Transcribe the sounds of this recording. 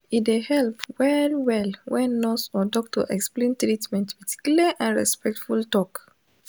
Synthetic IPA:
idehɛlpwɛlwɛlwɛ̃nːɔsɔdɔk̚tɔ̰ʔɛksplẽntɹitmɛ̃ntpɛti̥kjliləʔãnɹɛ̰spɛk̚tfultɔk

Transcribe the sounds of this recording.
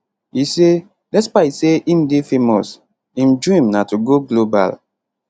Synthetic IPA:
ise | dɛspaiseʔĩmdefemɔs | ĩmdɹĩmnatuɡoɡloba̰l

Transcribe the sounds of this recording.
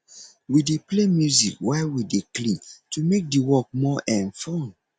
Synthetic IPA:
wideplemjuzikwɛwideklĩntumek̚diwɔk̚mɔʔɛ̃nfɔ̃n

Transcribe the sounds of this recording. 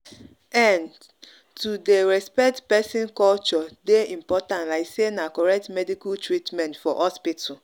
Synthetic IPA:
ɛn | tudeɾɛspɛk̚tpɛsɪ̃nkɔlt͡ʃɔdeĩm̩pɔtãntlaɪksenakɔɾɛk̚tmɛdikultɹitmɛ̃ntfɔʔɔspitʊ

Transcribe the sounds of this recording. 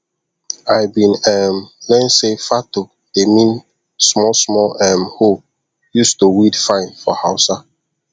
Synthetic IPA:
ajbĩnɛmlɛ̃nsefato | d̥emĩn | smɔsmɔlɛmho | justuwidfãɪ̃nfɔhaʊsa

